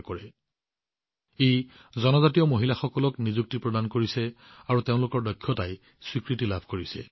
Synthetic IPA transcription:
kɔɹɛ | ej | zɔnɔzatijɔmoɦilaxɔkɔlɔknizuk̚tipɹɔdankoɹisɛ | aɹuteʊ̃lʊkɔɹdɔkʰːjɔtaj | swikɹitilabʱkoɹisɛ̰

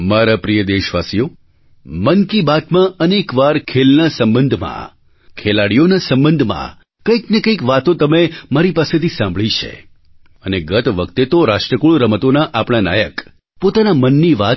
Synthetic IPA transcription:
maɾapɾijəd̪eʃʋasijo | mənkibat̪mãənekʋaɾkʰelnasəmbənd̪ʱmã̰ | kʰelaɽijonasə̃mbənd̪ʱmã̰ | kəiknekəikʋat̪õt̪əmemaɾipaset̪ʰisãmbʱɭit͡ʃʰḛ | əneɡət̪ʋəkt̪et̪oɾaʃʈɾəkuɭɾəmət̪onaʔapɽ̃ana̰jək | pot̪anamənːiʋa

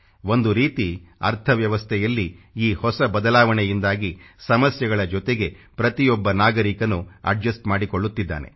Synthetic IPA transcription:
o̞nd̪uɾiːt̪iɐ̰ɾt̪ʰɐʋjɐʋɐst̪ʰɛjɐlːiiːhɔsɐbɐd̪ɐlaːʋɐɳɛjind̪aːɡisɐmɐsjɐɡɐɭɐd͡ʒɔt̪e̞ɡe̞pɾɐt̪ijɔbːɐnaːɡɐɾikɐnːuɐ̰ɖd͡ʒɐsʈmaːɽikoɭːut̪ːid̪ːa̰ːne̞̰

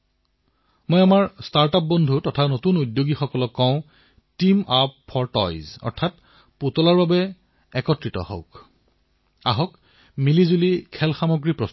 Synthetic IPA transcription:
mojamaɹstaɹtap̚bɔndʱutɔtʰanotunujdjoɡixɔkɔlɔkːɔʊ̃ | timappʰɔɹtɔ̰jzɔ̰ɹtʰat | putɔlaɹbabɛ | ɛkɔtɹitɔ̰hɔ̰wk | a̰ɦɔk | milizulikʰɛlxamoɡɹipɹɔs

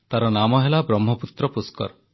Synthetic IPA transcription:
t̪aɾɔnamɔɦelabɾɔmːɔput̪ɾɔpuskɔ̰ɾ

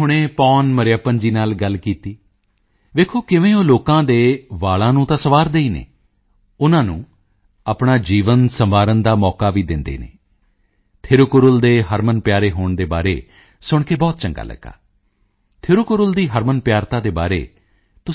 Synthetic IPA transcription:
ɦʊɽ̃ẽːpɔːnməɾɪjaːpənd͡ʒiːnaːlɡəlkiːt̪iː | ʋeːkʰoːkɪʋẽːoːloːkãːd̪eːʋaːɭãːnũːt̪ãːsəʋaːɾd̪eːiːnḛː | ʊnãːnũː | aːpɳaːd͡ʒiːʋənsəmʋaːɾənd̪aːmɔːkaːʋiːd̪ɪnd̪ḛːnḛː | t̪ʰɪɾʊkʊɾʊld̪eːɦəɾmənpjaːɾeːɦoːɳd̪eːba̰ːɾḛː | sʊɳkeːbɔːt̪t͡ʃə̃ŋɡa̰ːlʔə̰ɡːa̰ː | t̪ʰɪɾʊkʊɾʊld̪iːɦəɾmənpjaːɾt̪ãːd̪eːba̰ːɾḛː | t̪ʊ

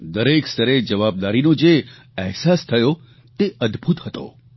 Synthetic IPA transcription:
d̪əɾekst̪əɾed͡ʒəʋab̚d̪aɾinod͡ʒe | ɛɦsast̪ʰəjo | t̪eʔəd̪bʱut̪ɦət̪o̰

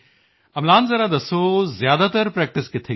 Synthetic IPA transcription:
ɐmlaːnzɐɾad̪ɐsoːzjaːd̪aːt̪ɐɾpɾɛːk̚ʈɪskɪt̪ʰe

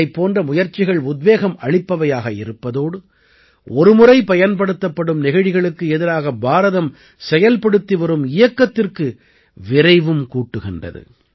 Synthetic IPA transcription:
ɐɪpːoːndrɐmʊjɐɾt͡ʃːɪɣɐɭʊd̪ʋeːɣɐmʔɐɻɪpːɐʋɐjaːɣɐɪ̰ɾɯpːɐðoːɽɯ | ɔɾɯmʊrɐɪpɐjɐnpɐɽɯt̪ːɐpːɐɽɯmnɪɣɐɻɪɣɐɭɯkːɯɛðɪɾaːɣɐbaːɾɐðɐm | sɛjɐlpɐɽɯt̪ːiʋɐɾɯmɪjɐkːɐt̪ːɪrkɯ | ʋɪɾɐɪʋɯmkuːʈːɯɣɪndrɐ̰ðɯ̰

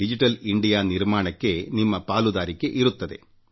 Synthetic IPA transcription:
id͡ʑiʈːɐliɳɖijanirmaːɳɐkʲːenimːɐpaːlud̪aːɾikʲːɨʔiɾut̪ːɐðḛ

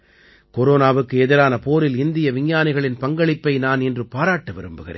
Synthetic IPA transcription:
kɔɾoːnaːʋɯkːɯɛðɪɾaːnɐpoːɾɪlɪnd̪ɪjɐʋɪɲːaːnɪɣɐɭɪnpɐŋɡɐɭɪpːɐɪnaːnɛndrɯpaːɾaːʈːɯʋɐɾɯmbɯɣɪ̰rḛːn

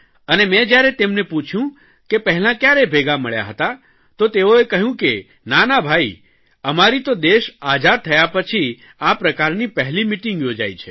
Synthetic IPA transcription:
ənemɛ̃d͡ʒjaɾet̪emneput͡ʃʰjũ | kepəɦɛlãkjaɾebʱeɡaməɭja̰ɦət̪a | t̪ot̪eoekəɦjũke | nanabʱai | əmaɾit̪od̪eʃad͡ʒaɾ̚t̪ʰəjapət͡ʃʰi | apɾəkaɾnipəɦlimiʈiŋɡjod͡ʒa̰jt͡ʃʰe

